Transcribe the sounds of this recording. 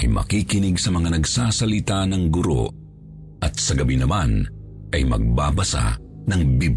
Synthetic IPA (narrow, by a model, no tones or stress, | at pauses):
ɐjmʔɐ̰kikɪnɪɡsɐmɐŋanɐɡsaːsɐlɪt̪anɐŋɡʊɾo̰ | ʔɐt̪̚sɐɡɐbinɐman | ʔɐjmɐ̰ɡ̚babɐsa̰ | nɐŋbib